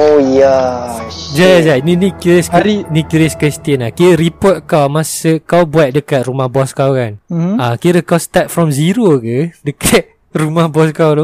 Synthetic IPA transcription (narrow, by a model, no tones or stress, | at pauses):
oja | d͡ʒajad͡ʒanĩnikɾisinĩkiɾɛskɾist̪iənlahkiɾipɔt̪̚kawmasəkawbuat̪̚dəkat̪̚rumahbɔskawkanakiɾəkawst̪at̪̚fɾɔmziɾokədəkʰat̪̚ | rumahbɔskawlo